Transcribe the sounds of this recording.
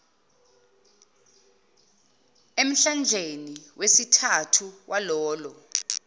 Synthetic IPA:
em̩ɬand͡ʒʱeniwesitʰatʰuwʔalɔːlɔ

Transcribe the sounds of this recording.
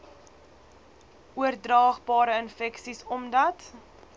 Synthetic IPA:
uərdrɑːχbɑːɾəənfɛksisɔmdɐt

